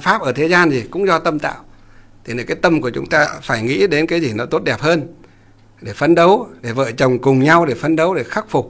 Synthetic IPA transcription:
faː˦˥p̚ʔəː˧˩t̪ʰe˨˦zaː˧nzi˨˩kʊ̰˧˥ŋ͡mzɔ˧t̪ə˧mt̪a̰ː˧˨w | t̪ʰi˨˩n˨˩kaː˨˦jt̪ə˧mku˧˩t͡ɕʊ̰˨˦ŋ͡mt̪aː˧faː˧˩jŋḭ˧˥ɗe˨˦nkaː˨˦jzi˨˩nɔ˨˦t̪o˦˥t̚ɗɛ˨˩p̚həː˧n | ɗe˧˩fə˧nɗə˨˦wɗe˧˩və̰ː˧˨t͡ɕə˨˩wŋ͡mkʊ˨˩ŋ͡mɲa˧wɗe˧˩fə˧nɗə˨˦wɗe˧˩xa˦˥k̚fʊ˨˩k͡p̚

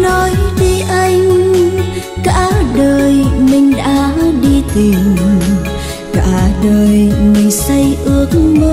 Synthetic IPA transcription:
nɔ˨˦jɗi˧ʔa˧jŋ | ka̰ː˧˥ɗəː˨˩jmï˨˩ŋ̟ɗa̰ː˧˥ɗi˧t̪i˨˩ | ka̰ː˧˩ɗəː˨˩jmï˨˩ŋ̟sə˧jʔɨ˧˦ək̚mo˧˦

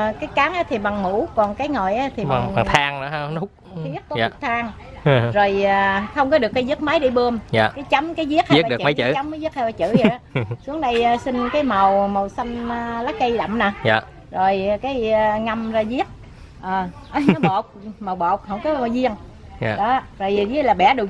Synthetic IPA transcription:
kaː˨˦jkaː˨˦ŋʔaː˨˦˥t̪ʰi˨˩ɓa˨˩ŋmṵ˧˩˥kɔ˨˩nkaː˨˦jŋɔ˨˩jʔaː˨˦t̪ʰi˨˩ɓa˨˩ŋa˨ŋt̪ʰaː˧ŋnɨ̰˧˦˧nu˦˥k͡p̚i˦˥ət̚t̪̚ːt̪ʰaː˧ŋ | zo˨˩jəː˨˩xə˧wŋ͡mkɔ˨˦ɗɨ˨˩əkːa˨˦jzɨ˦˥t̚ma˨˦jɗi˧ɓɨ˧əmja̰ː˨˩kaː˨˦jt͡ɕa˨˦mkaː˨˦jzi˦˥əha˨i˦˥kːɗɨ˨˩˧m˨˦t͡ɕɨ̰˧˨a˨˦wŋ͡mmː˧˨˦jzi˦˥ət̚ha˧jlaː˨˩t͡ɕɨ̰˧˨za˨˦su˨˦əŋɗə˧jsï˧ŋ̟kaː˨˦jmə˨˩wmə˨˩wsa˧jŋn˧laː˨˦˥kə˧jɗa̰˧˨mnaː˨˩ja̰ː˨˩ | zo˨˩jkaː˨˦jŋa˧mzaː˧zi˦˥ət̚ | ʔəː˨˩˨ | nɔ˨˦ɓo˨˩k͡p̚mə˨˩wɓo˨˩k͡p̚hə˧˨wŋ͡mkɔ˨˦ma˨˩wzi˧əŋ˨˩ | ɗɔ˨˦˧zo˨˩jzi˧˦˥laː˨˩ɓɛ̰˧˩˦ɗu˨˩

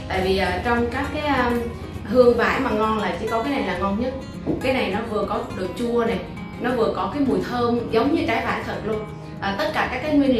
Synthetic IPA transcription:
t̪a̰ː˧˨jvi˨˩ʔaː˨˩t͡ɕɔ˧wŋ͡mkaː˦˥kːaː˨˦ʔəː˧ | hɨ˧əŋva̰ː˧˩jmaː˨˩ŋɔ˧nlaː˨˩t͡ɕḭ˧˩kɔ˨˦kaː˨˦jna˨˩jlaː˨˩ŋɔ˧˩wŋ͡mɲə˦˥t̚ | kaː˨˦jna˨˩jnɔ˨˦vɨ˨˩əkɔ˨˦ɗɨ˨˩ək̚t͡ɕu˧əna˨˩ | nɔ˨˦vɨ˨˩əkɔ˨˦kaː˨˦jmu˨˩jt̪ʰəː˧mzə˨˦wŋ͡mɲɨ˧t͡ɕaː˨˦jva̰ː˧˥˩jt̪ʰə˧˩nlu˧ən | ʔaː˨˩t̪ə˦˥t̚kaː˧˩kaː˦˥kːaː˨˦jŋwi˧ənl

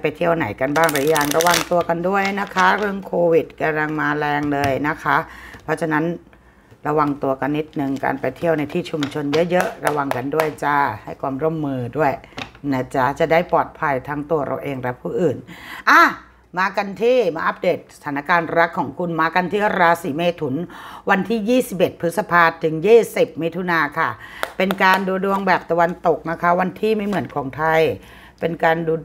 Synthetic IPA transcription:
pa˧jt̪ʰi˦˥˩əwna˩˦jka˧nbaː˥˩ŋɾaː˨˩˦jaː˨˧ŋɾa˧wa˧ŋt̪u˧ɐka˧ndu˥˩əjna˦˥kʰa˦˥ɾɯ˥˩əŋkʰoː˧wi˨˩t̪̚ka˧la˧ŋmaː˧lɛː˧ŋlɤː˧jna˦˥kʰa˦˥ʔpʰɔ˦˥t͡ɕʰaː˧na˦˥n | ɾa˧wa˧ŋt̪u˧ɐka˧nːi˦˥t̪̚nɯ˨˧ŋka̰ː˧npa˧jt̪ʰi˥˩əwna˧jt̪ʰiː˥˩t͡ɕʰu˧mt͡ɕʰo˧njɤ˦˥ʔjɤ˦˥ʔɾa˧wa˧ŋka˧ndu˥˩əjt͡ɕa˥˩ha˥˩jkʰwaː˧mɾo˥˩˨mːɯː˧du˥˩əjna˧˩t͡ɕa˧˩t͡ɕa˨˩daː˥˩jpɔː˨˩t̪̚pʰa˧jt̪ʰaː˦˥ŋt̪u˧ɐɾʔa̰˧wʔeː˧ŋɾɛ˦˥pʰːuː˥˩ʔɯː˨˩nʔaː˧˩ | maː˧ka˧nt̪ʰiː˥˩maː˧ʔa˦˥p̚deː˨˩t̪̚sḁ˧t̪ʰaː˩˦na˧kaː˧nɾa˦˥kʰːɔː˩˦ŋkʰu˧nmaː˧ka˧nt̪ʰiː˥˩ʔɾaː˧siː˩˦meː˧t̪ʰu˩˦nwa˧nt̪ʰiː˥˩jiː˥˩si˨˩p̬̚ʔe˨˩t̪̚pʰɯ˦˥sa˧pʰaː˧t̪ʰːɯ˩˦ŋjiː˥˩si˨˩p̚mi˦˥t̪ʰu˧naː˧kʰa˥˩pe˧nkaː˧nduː˧du˧əŋbɛː˨˩p̚t̪a˧wa˧nt̪o˨˩k̚na˦˥kʰa˦˥wa˧nt̪ʰiː˥˩ma˥˩jmɯ˩˦ənkʰɔː˩˦ŋt̪ʰa˧j | pe˧nkaː˧nduː˧

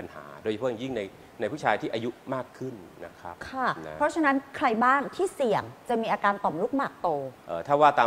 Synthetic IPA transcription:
a˧nha̰ː˩˦doː˧˩jʰjŋji˥˩ŋna˧j | na˧jpʰu˥˩t͡ɕʰaː˧jt̪ʰiː˥˩ʔa˧ju˦˥maː˥˩kʰːɯ˥˩nːa˦˥kʰɾa˦˥p̚kʰa˥˩pʰɾɔ˦˥t͡ɕʰa˧na˦˥nkʰɾa˧jbaː˥˩ŋt̪ʰiː˥˩si˨˩əŋt͡ɕa˨˩miː˧ʔaː˧kaː˧nt̪ɔ˨˩mlu˦˥k̚maː˨˩k̚t̪oː˧ʔɤː˨˩t̪ʰaː˥˩waː˥˩t̪aː˧

